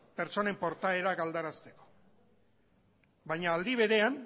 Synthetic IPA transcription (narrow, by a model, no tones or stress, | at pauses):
pe̞ɾt͡ʃo̞ne̞mpo̞ɾt̪ae̞ɾaɡald̪aɾast̪e̞ko̥ | bajɲaːld̪iβ̞e̞ɾe̞an